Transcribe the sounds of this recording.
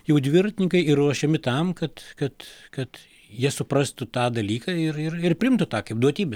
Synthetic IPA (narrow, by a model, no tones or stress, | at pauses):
jɛʊd̪ʲʋʲɪɾɐt̪ʲɪnʲɪŋkɐɪirruɔʃʲɛmʲɪt̪ɐmkɐt̪kɐt̪kɐt̪ | jiɛsʊpɾɐst̪ʊt̪ɑːd̪ɐlʲiːkɑɪrɪrɪrpʲɾʲɪɪmt̪ʊt̪ɑːkɐɪp̚d̪uɔt̪ʲiːbʲɛs